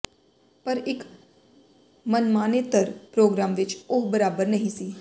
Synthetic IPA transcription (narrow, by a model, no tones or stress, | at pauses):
pəɾɪk | mənmaːnet̪əɾpɾoːɡɾaːmʋɪt͡ʃʊɦbəɾaːbəɾnəɦĩːsiː